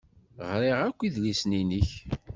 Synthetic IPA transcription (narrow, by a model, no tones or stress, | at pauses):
ʁɾeʁækʷːiðlisniniç